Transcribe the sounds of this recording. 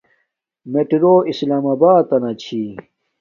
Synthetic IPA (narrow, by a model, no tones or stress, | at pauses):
meʈiɾoːʔislaːmabaːt̪ɐnɐt͡ɕʰi